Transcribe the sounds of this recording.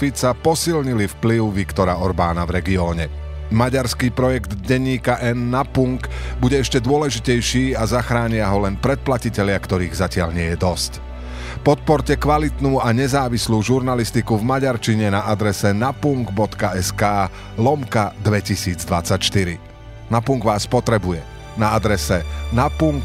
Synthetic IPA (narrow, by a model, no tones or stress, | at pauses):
fit͡sapɔsilɲilifpliʊʋikt̪ɔɾaɔɾbaːnavɾɛɡiɔːɲɛ | maɟaɾskiːpɾɔjɛɡd̪ɟɛɲːiːkaʔɛnːapuŋɡbuɟɛɛʃcɛd̪ʊɔlɛʒicɛjʃiːazaxɾaːɲɪaɦɔlɛnpɾɛt̪̚placicɛlɪakt̪ɔɾiːɣzacɪaʎɲɪɛjɛd̪ɔsc | pɔt̪̚pɔɾcɛkʋalit̪nuːaɲɛzaːʋisluːʒuɾnalist̪ikuvmaɟaɾt͡ʃiɲɛnaʔad̪ɾɛsɛnapuŋɡbɔt̪kaɛskaː | lɔmkad̪ʋɛcisiːd͡zd̪ʋat͡sːacʃt̪iɾḭ | napuŋɡʋaːspɔt̪ɾɛbujɛ | naad̪ɾɛsɛnapuŋk